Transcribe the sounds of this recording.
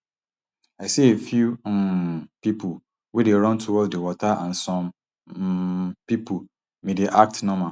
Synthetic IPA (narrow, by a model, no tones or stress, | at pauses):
aɪsiefjum̩pipʰu | wedeɾɔ̃ntʰuwɔdewɔtʰaʔãnsɔ̃m | pipʰu | mĩdeʔak̚tnɔ̃mã